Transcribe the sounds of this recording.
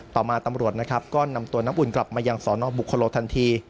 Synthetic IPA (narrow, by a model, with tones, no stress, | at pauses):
t̪ɔː˨˩maː˧t̪a˧mɾu˨˩ət̪̚na˦˥kʰa˦˥p̚kɔː˥˩na˧mt̪u˧əna˦˥mʔu˨˩nkla˨˩p̚maː˧jaː˧ŋsɔː˩˦nɔː˧bu˨˩kʰːa˧loː˧t̪ʰa˧nt̪ʰiː˧